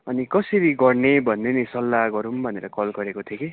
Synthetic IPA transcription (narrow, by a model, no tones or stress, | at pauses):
ʌnikʌsʌɾiɡʌrnebʱʌnːenisʌlːaɡʌɾumbʱʌneɾʌkʌlɡʌɾekot̪ʰjoke